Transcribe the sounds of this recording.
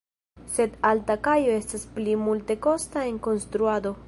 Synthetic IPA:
se̞d̪altakajo̞e̞stasplimulte̞ko̞stae̞ŋko̞nst̪ɾuad̪o̞

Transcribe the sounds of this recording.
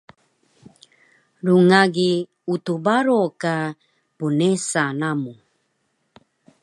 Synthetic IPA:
ɾuŋaɡi | ut̪ubaɾoka | punesanamu

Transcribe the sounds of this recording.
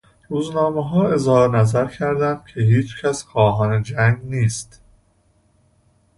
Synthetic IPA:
ɾuːznɒːmeɦɒːe̞zhɒːɾnæzæɾcʰæɾd̪ænd̪̥̚cʰe̞ɦiːt͡ʃcʰæsxɒːɦɒːne̞d͡ʒæŋɡniːst̪

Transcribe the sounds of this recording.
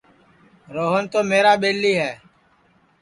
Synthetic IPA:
ɾoːɦənt̪oːmeːɾaːɓeːlːiːɦɛː

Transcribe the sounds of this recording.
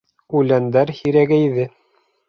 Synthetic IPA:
ʉlænd̪æɾhiɾæɡæjðɘ

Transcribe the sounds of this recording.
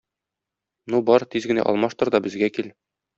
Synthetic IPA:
nubɒɾt̪izɡɘ̆næ̰ʔɒ̰lˠmɑʃt̪ɤ̆ɾd̪ɒbɘ̆zɡækil

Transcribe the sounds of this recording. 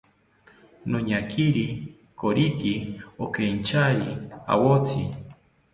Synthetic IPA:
noɲakʰiɾi | koɾikiokent͡ʃaɾia̰wot͡si

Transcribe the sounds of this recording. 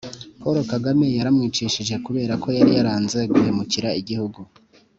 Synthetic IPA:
po̞ɾo̞kaɡame̞jaɾamŋiːt͡ʃiʃiʒe̞kuβe̞ːɾakʰo̞jaɾijaɾaːnze̞ɡuhe̞muciɾaiɟihuɡu

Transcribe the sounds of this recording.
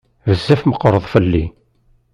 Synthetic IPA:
vəzːæfməqːɾˤəðˤfəlːi

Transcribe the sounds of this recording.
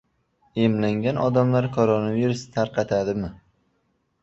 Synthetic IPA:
emlaŋɡʲanʔɒd̪amlaɾkʰoɾonaviɾust̪ʰaɾqʰɑt̪ʰad̪ɪmɪ

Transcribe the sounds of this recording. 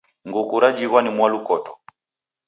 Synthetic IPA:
ŋɡukuɾad͡ʒiɣwanimwalukɔtɔ

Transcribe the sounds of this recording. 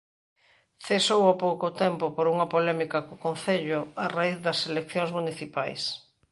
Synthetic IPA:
θesowapowkʊt̪ɛmpʊpoɾuŋɐpolɛmikɐkokõnθeʎʊaraiððɐselekθjõŋzmuniθipajs

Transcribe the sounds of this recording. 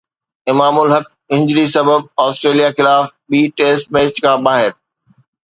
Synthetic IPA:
ɪmaːmʊlɦək | ɪ̃ɲd͡ʑɾisɐbəb̚ɔːsʈɾeːlijaxɪlaːfɓiːʈeːsʈ̚meːst͡ɕkʰãːɓaːɦɪɾ

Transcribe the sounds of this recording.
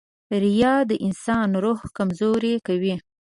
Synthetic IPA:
ɾijɑd̪əʔɪnsɑnɾohkamzoɾekawi

